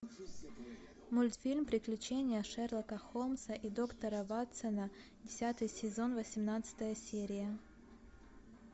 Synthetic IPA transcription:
mulʲt̪fʲilʲmpɾʲɪklʲʉt͡ɕenʲɪjəʂɛrlˠəkəxomsəʔid̪o̞kt̪əɾəvat̪sənə | dʲɪsʲat̪ɨjsʲɪzo̞nvəsʲɪmnat̪sɨ̥t̪əjəsʲeɾʲɪjə

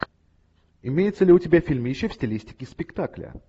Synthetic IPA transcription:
ɪmʲejɪt̪səlʲɪʊtʲɪbʲafʲilʲmʲjɪɕːofsʲtʲɪlʲisʲtʲɪ̥kʲɪspʲɪkt̪aklʲə̰

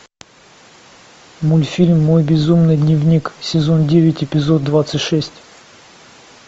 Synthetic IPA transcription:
mulʲfʲilʲmːojbʲɪzumnɨjd̪nʲɪvnʲiksʲɪzo̞ndʲevʲɪtʲɪpʲɪzo̞d̪̚d̪ːvat̪sɨtʲʂɛsʲtʲ

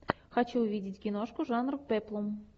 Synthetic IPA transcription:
xɐt͡ɕuʊvʲidʲɪtʲɡʲɪnoʂkʊʐanrʊfpɛplˠom

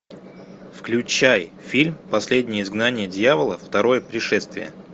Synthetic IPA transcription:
fklʲʉt͡ɕaj | fʲilʲmpɐsʲlʲedʲnʲɪjəɪzɡnanʲɪjədʲjavəlˠəft̪ɐɾo̞jəpɾʲɪʂɛst̪vʲɪ̰jə̰

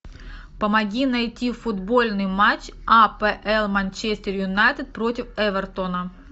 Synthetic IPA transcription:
pəmɐɡʲinɐjtʲifʊd̪bo̞lʲnɨjmat͡ɕapɛʔɛlˠmɐnʲt͡ɕesʲt̪ʲɪrjʊnajt̪ɨt̪̚pɾo̞tʲɪfɛvʲɛrt̪onə

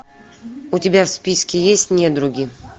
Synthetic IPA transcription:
ʊtʲɪbʲafspʲiskʲɪjesʲtʲnʲed̪ɾʊɡʲi

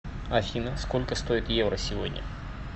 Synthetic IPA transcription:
ɐfʲinɐskolʲkəst̪oɪt̪jevɾəsʲɪvodʲnʲɐ̰

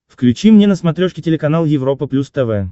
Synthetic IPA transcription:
fklʲʉt͡ɕimnʲenəsmɐt̪ɾʲoʂkʲɪtʲɪlʲɪkɐn̪alˠjɪvɾo̞pəplʲust̪ɛvɛ

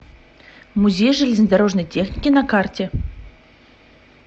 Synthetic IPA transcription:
muzʲejʐɨlʲɪzʲnəd̪aɾoʐnəjtʲexnʲikʲɪnakartʲe

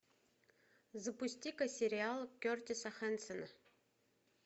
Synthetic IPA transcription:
zəpʊsʲtʲikɐsʲɪɾʲɪalˠkʲørt̪ʲɪsɐxɛnsənə

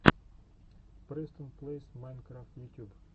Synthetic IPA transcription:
pɾest̪ə̃nplesmajnkɾaft̪jut̪ʲjub

